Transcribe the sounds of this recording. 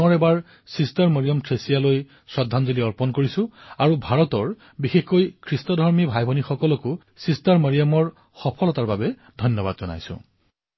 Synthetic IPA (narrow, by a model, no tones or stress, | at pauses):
ɔɹɛbaɹ | sistaɹmɔɹijɔmtʰesijaloj | sɹɔdʱːanzoliɔɹpɔnkoɹisʊ̃aɹubʱaɹɔtɔɹ | bixexkojkʰɹistɔdʱɔɹmibʱajbʱɔnixɔkɔlɔkʊ | sistaɹmɔɹijɔmɔɹ | xɔpʰɔlɔtaɹbabɛ | dʱɔjnjɔbadzɔna̰jsʊ̰̃